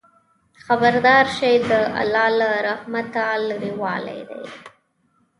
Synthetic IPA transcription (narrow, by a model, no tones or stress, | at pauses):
xabaɾd̪ɑɾʃejd̪əa̰lɑlaɾahmat̪alɽiwɑla̰jd̪a̰j